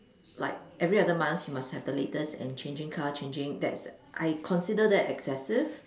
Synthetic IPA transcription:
la̰ɪk̚ʔɛvɹiadəmãnθjumashɛvdəletəsɛ̰̃nt͡ʃʰẽnd͡ʒɪ̃ŋkʰat͡ʃʰẽnd͡ʒɪ̃ŋdɛ̰tsʔa̰ɪkʰɔ̃nsidədɛtɛksɛsɪv

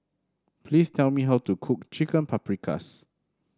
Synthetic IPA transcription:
pʰlistʰɛlmiɦawtukʰuk̚t͡ʃikə̃npʰapɹikʰa̰s

